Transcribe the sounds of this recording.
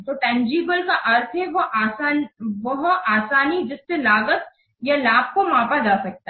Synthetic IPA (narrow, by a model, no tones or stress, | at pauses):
t̪oʈɛ̃ːnd͡ʒiːbəlkaʔɐɾt̪ʰɦɛʋoʔaːsaːnʋɐɦaːsaːnid͡ʒɪsːelaːɡət̪ | jɐlaːb̚komãːpad͡ʒaːsɐk̚t̪aɦ